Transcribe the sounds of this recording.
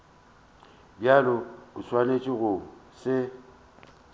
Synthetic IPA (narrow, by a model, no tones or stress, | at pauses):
bjalʊʊswanet͡ʃʼɪɣʊŋ̩sɪ